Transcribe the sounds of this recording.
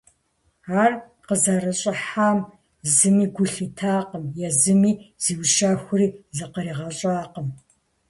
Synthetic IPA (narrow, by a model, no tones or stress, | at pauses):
aːr | qəzɐrɐɕʼɪħaːm | zɨmiːɡʷʊɬɨtʰaːqəmjɛzɨmiːz̥iːwʃaːxʷʊriːzɨqəɾiːʁɐɕʼaːqəm